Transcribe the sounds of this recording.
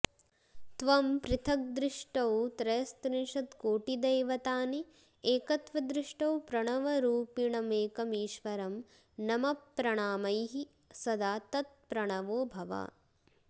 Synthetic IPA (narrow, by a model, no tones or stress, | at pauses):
t̪ʋɐmpɾɪt̪ʰɐk̚d̪ɾiʂʈɐwt̪ɾɐjɐst̪ɾinʂɐt̪koːʈid̪ɐjʋɐt̪aːni | eːkɐt̪ʋɐd̪ɾɪʂʈɐwpɾɐɳɐʋɐɾuːpiɳɐmeːkɐmiːʃʋɐɾɐm | nɐmɐpːɾɐɳaːmɐjɦi | sɐd̪aːt̪ɐt̪̚pɾɐɳɐʋoːbʱɐʋa̰ː